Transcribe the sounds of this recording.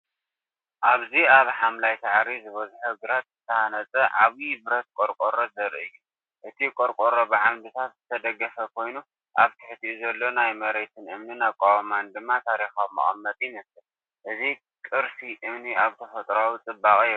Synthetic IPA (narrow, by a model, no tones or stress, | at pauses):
ʔaβziaβħamlajt̪aʕɾizɨβɐzuħuɡɨɾat̪zɨt̪ʰɐhanɐt͡sʼɐʕaβibɨɾɐt̪̚kʼoɾkʼoɾozɐɾʔɨɨjːu | ʔɨt̪ʰikʼoɾkʼoɾobɐʕamd̪ɨt̪ʰat̪zɨt̪ʰɐd̪ɐɡːɐfɐkʰo̞jnu | ʔaβt̪ʰɨħt̪ʰiuzɐlːo̞najmɐɾet̪ʰɨnʔɨmnɨnakʼawmand̪ɨmːat̪ʰaɾixamːɨ̰χʼɐ̰mːɐt̪ʼjinɐsɨ | ʔɨzi | kʼɨɾsiʔɨmniaβt̪ʰɐfɐt̪ʼɾawit͡sʼɨbːakʼ